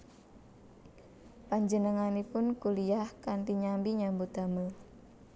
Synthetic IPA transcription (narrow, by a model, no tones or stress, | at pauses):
paɲd͡ʒənəŋanipʊnkulijahkant̪iɲambiɲambut̪a̤məl